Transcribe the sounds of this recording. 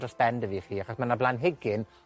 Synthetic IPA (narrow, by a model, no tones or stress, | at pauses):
dəsb̥ɛndəviːχiːaχɔsmanablˠanɦɪɡɪn